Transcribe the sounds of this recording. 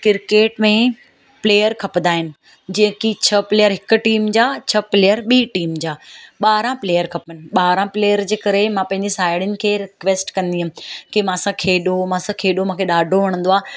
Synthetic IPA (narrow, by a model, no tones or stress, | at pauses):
kɪɾkeːʈmẽ | pleːjəɾkʰɐpnd̪aːɦɪnɪ̆ | d͡ʑɐ̃ːɪ̃kit͡ɕʰɐpleːjəɾɦɪkʊ̆ʈiːmd͡ʑaːt͡ɕʰɐpleːjəɾɓiːʈiːmd͡ʑaːɓaːɾãpleːjəɾkʰɐpənɪ̆ɓaːɾãpleːjəɾd͡ʑeːkɐɾemãpɐ̃ɦɪ̃ɲd͡ʑesaːɪɽɪnɪ̆kʰeːɾɪkʋeːsʈkɐ̃nd̪iːɦũːkimãːɐsãkʰeːɗomãːsãkʰeːɗomãːkʰeɗaːɖʱoʋɐɽ̃n̆d̪oaː